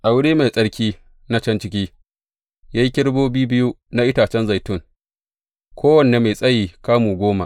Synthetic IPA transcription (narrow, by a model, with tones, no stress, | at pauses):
ʔa˨wʊ˦ɽiː˦ma˨jsʼɐ˦ɽkʲiː˦ | na˦t͡ʃɐ˦nt͡ʃɪ˦kʲiː˦ | jaː˦ji˦kʲɪ˦ɽboː˦biː˦bɪ˦ju˦ | na˦ʔɪ˦taː˨t͡ʃɛ˦nza˨jtʊ˦˨ŋ | kʷʰoː˦wɐ˨nːe˨ma˨sʼɐ˦jiː˨kaː˦muː˨ɡʷoː˦ma̰˨ʔ